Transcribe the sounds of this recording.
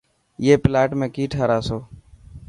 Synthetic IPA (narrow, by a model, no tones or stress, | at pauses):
jeːplaːʈmẽːkiːʈʰaːɾaːsoː